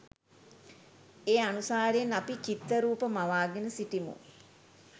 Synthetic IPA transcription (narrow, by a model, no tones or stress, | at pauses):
eːanusaːɾeenapit͡ʃit̪ːəɾuːpəmaʋaːɡenəsiʈimṵ